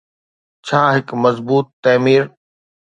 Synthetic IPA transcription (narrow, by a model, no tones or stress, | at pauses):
t͡ɕʰaːɦɪkmɐzbuːt̪ːɐːmiːɾ